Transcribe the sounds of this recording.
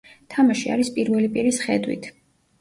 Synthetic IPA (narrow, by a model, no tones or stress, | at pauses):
t̪ʰamaʃia̰ɾispʼiɾvɛlipʼiɾisχɛd̪wḭt̪ʰ